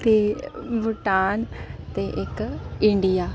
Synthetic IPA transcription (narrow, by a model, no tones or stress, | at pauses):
t̪ebuʈaːnt̪eʔɪkɪ̃ɳɖijaː